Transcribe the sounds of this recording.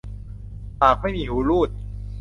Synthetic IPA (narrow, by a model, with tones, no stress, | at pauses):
paː˨˩k̚ma˥˩jmiː˧huː˨˦luː˥˩t̪̚